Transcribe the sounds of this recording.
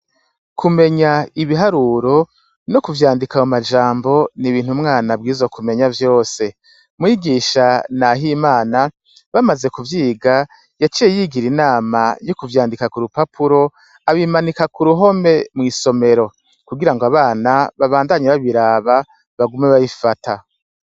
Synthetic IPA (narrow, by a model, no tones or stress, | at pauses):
kʰume̞ɲaiβiɦaɾuɾo̞ | no̞kuvjaːndikaomad͡ʒaːmbo̞niβiːn̥umŋaːnab̚ɡiːzokume̞ɲavjo̞ːse̞ | mwiːɡiːʃanaɦimaːna | βamaze̞kuvjiːɡa | jat͡ʃijejiɡiɾinaːmajokuvjaːndikakuɾupapuɾo̞ | aβimanikakuɾuɦo̞me̞mŋiːso̞me̞ɾo̞ | kuɡiɾaŋɡoaβaːnaβaβaːndaɲeβaβiɾaβa | βaɡumeβaβifatʰa